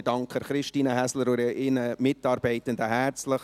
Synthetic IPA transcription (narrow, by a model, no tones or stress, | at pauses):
dɑŋkχəχɾɪʃtiːnəɦæsləɾuɾəʔɪnəmɪtɑːɾbɛɪtəndəɦært͡sləχ